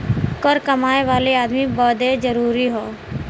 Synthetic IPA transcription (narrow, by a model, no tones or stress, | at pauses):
kəɾkəmaːeʋaːleaːd̪mibɔːd̪ed͡ʒəɾuːɾiɦoː